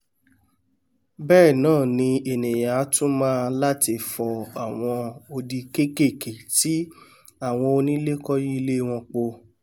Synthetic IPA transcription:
bɛː˦˨nãː˦˨nĩ˧e˨nẽ˨ja˨˦tũ˦mãː˦˧la˦ti˧˨fɔ˨a˨w̃ɔ̃˧o˧di˧ke˦ke˦˨ke˨ti˨˦ | a˦˨w̃ɔ̃˧o˧nĩ˦le˦kɔ˦ji˦˧le˦w̃ɔ̃˧k͡po˧

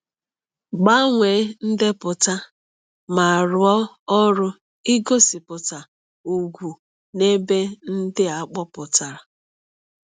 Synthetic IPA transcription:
ɡ͡ba˦ŋʷe˨˦n̩˦dɪ˦pʊ˨ta˦ | ma˨ɾʊ˨ɔ˦ | ɔ˦ɾʊ˦ | i˦ɡo˦sɪ˨pʊ˨ta˨ | u˨ɡʷu˨ | ne˦be˦n̩˦dɪ˦a˨˦k͡pɔ˦pʊ˨ta˨ɾa˨

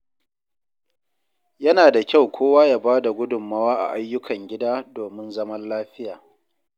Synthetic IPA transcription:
jɐ˦naː˨da˨kʲa˦˨wkʷʰoː˦waː˦jaː˦baː˦da˨ɡʷʊ˦dʊ˨mːɐ˦waː˦ʔa̰˨ʔa˦jːʊ˦kʰɐ˨ŋɡʲɪ˦daː˦doː˨mɪ˦nzɐ˦mɐ˦nlaː˦ɸɪ˦jaː˨

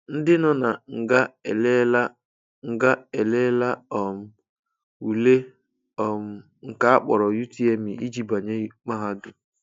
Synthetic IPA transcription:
n̩˦dɪ˦nɔ˨na˨ŋ̩˨ɡa˦˨le˦la˦ | ŋ̩˨ɡa˦e˨le˦la˦ɔ˨m̩˨ | u˨le˦ | ɔ˨m̩˨ | ŋ̩˨ka˦a˦k͡pɔ̰˨ɾɔ˨ju˦ti˦e˦mi˨i˦d͡ʒi˦ba˨ɲe˦ma˦ɦa˦dʊ˨

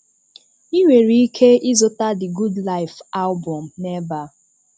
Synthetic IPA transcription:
i˦we˨ɾi˦kʰe˦ʔi˦zo˦ta˦di˨ɡu˦dla˦ɪ˨fa˦lbɔ̃˨mnɛ˦ba˨

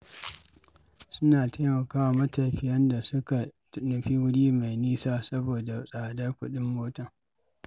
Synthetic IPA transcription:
sʊ˦naː˨tʰa˦mɐ˨kaː˦wa˨mɐ˦tɐ˨ɸi˨jɐ˦nda˨sʊ˦ka˨tnʊ˨ɸiː˦wʊ˦ɽiː˦ma˨jniː˦saː˦sɐ˦boː˨da˨sʼaː˨dɐ˦rkʷʊ˦ɗɪ˦mːoː˦tɐ˨ŋ

